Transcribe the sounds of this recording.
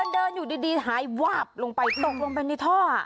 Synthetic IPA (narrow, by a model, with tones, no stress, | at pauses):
ndɤː˧njuː˨˩diː˧diː˧ɦaː˩˦jwaː˧˩p̚lo˧ŋpa˧jt̪o˨˩k̚lo˧ŋpa˧na˧˩t̪ʰɔː˥˩a̰˨˩ʔ